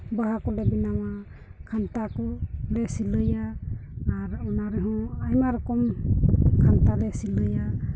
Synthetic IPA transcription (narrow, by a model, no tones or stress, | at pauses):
baɦakɔlɛbinawa | kʰantakɔlɛsilɯjaː | ɾɔnaɾɛɦɔ̃ajmaɾkɔm | kʰantalɛsilɯja